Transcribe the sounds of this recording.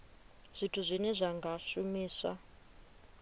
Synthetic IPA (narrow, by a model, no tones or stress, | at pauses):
z̥ʷitʰuzʷinɛʐaŋɡaʃumiːsa̰